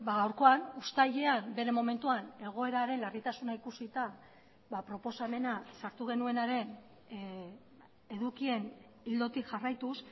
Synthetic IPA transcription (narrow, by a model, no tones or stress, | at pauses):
baɣawɾko̞anust̪aʎeambe̞ɾe̞mo̞me̞nt̪uane̞ɣ̞o̞e̞ɾaɾe̞nlarit̪asunaikusit̪a | bapɾo̞po̞same̞nasaɾt̪uɣ̞e̞nue̞naɾe̞n | e̞ðukie̞n | ild̪o̞t̪ikʝarajt̪us